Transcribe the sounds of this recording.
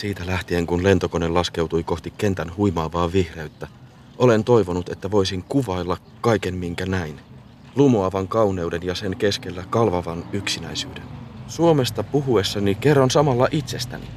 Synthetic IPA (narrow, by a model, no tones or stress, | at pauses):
siːt̪ælæht̪ie̞ŋkunle̞nt̪o̞kone̞lːɑske̞wt̪ujko̞ht̪ikːe̞nt̪ænhujmɑːʋɑːʋihre̞yt̪ːæ | o̞le̞nt̪o̞jʋo̞nut̪e̞t̪ːæʋo̞jsiŋkuʋɑilːɑkːɑjke̞mmiŋkænæin | lumoɑʋɑŋkɑwne̞ude̞njɑse̞ŋke̞ske̞lːækɑlʋɑʋɑnyksinæisyːde̞nsuo̞me̞st̪ɑpuɦue̞sːɑnike̞rːɑnsɑmɑlːɑʔit̪se̞st̪æ̰nḭ